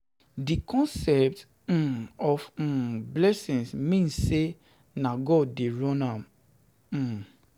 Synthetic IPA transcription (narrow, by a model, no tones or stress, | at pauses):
dikɔ̃nsɛp̚t̩ | ɔf̩blɛsĩnsmĩnsːe | naɡɔddeɹɔ̃nãm̩